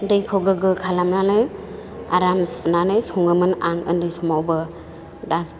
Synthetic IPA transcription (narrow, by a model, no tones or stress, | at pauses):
dɯjkʰowɡɯɡɯkʰalamnanɯj | a̰ɾamspʰnanɯjsuŋɯmɯnaŋɯ̰ndɯjsumawbɯ | daz